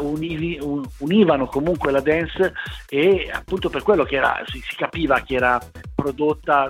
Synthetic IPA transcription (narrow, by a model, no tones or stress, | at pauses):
univiuuniːvanokomuŋkwelad̪ɛnsea̰pːunt̪operkwelːokɛːɾa̰sisi̥kapiːvak̟eɛːɾapɾod̪ot̪ːa